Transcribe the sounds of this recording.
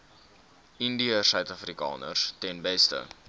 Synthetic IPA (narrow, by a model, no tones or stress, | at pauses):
indiəsœɥtɐfrikɑ̰ːnə̰rstɛnbɛstə̰